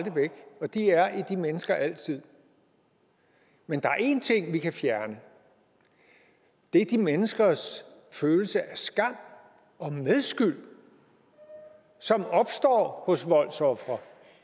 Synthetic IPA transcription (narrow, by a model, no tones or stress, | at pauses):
d̥əʋeɡ̥ɒ̽d̥iæɐid̥imenəsɡ̥ɐʔæl̰t͡sʰið̞̰ˠ | mend̥ɑ̈æɐe̝nt͡sʰe̝ŋ̰ʋikʰæfjæɐnə | d̥e̝ɐd̥imenəsɡ̥ɐsføːl̩səʔæɐsɡ̥ɑ̈m̰ | ɒ̽meðˠsɡ̥yl̰ | sɒ̽mɒ̽b̥sd̥ɒ̰ːhɔ̽sʋɒ̽l̰sɒ̽fʁɐ